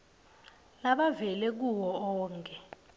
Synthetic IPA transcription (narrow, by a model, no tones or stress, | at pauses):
laɓavɛlɛk̬uwɔɔːŋkʰʼɛ